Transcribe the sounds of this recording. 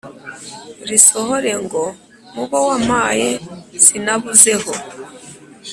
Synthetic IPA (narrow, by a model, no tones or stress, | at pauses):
ɾisohoɾe̞ŋɡo̞ | muβowamajez̥inaβuze̞ho